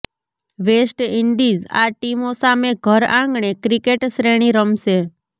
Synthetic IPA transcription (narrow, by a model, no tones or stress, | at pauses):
ʋesʈiɳɖiza̰ʈimosameɡʱəɾãŋɡɳekɾikeʈʃɾeɽ̃iɾəmʃe